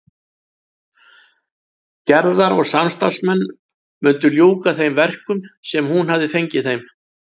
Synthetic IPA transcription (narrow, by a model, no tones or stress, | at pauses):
cɛɾðaɾɔɣsamst̪ḁsmɛnː | mʏnt̪ʏljoːwkaθejmvɛr̥kʏmsɛmhunɦavðɪfejɲcɪejm